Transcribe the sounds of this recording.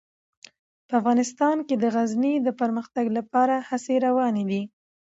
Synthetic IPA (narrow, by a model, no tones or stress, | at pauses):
pəafɣɑnɪst̪ɑnked̪əɣaznid̪əpəɾməxt̪aɡlapɑɾahaseɾawɑned̪i